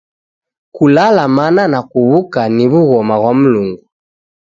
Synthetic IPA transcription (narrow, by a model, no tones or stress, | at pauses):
kulalamananakuβukaniβuɣɔmaβwamuluŋɡu